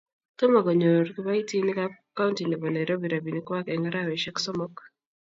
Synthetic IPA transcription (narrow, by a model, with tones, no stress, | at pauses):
tɔ˦ma˨ɡɔ˨ɲo˨ɾki˦ba˦i˦ti˦nɪ˦kaka˦u˦nti˨nɛ˨bɔ˨na˨jɾo˦bi˨ɾa˨bi˨nikwa˦kɛŋaɾa˦wɛʃɛ˦ksɔ˦mɔ˦k